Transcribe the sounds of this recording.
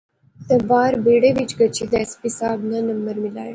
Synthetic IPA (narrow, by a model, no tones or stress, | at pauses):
t̪əbaːɾbeːɽeʋit͡ʃɡɐt͡ʃʰid̪ɛspisaːbnanɐmbəɾmɪla̰ːj